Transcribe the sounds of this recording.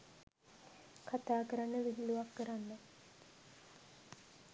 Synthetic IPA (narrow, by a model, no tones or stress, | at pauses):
kʰat̪aːkəɾanːəʋiɦiluʋakːəɾanːə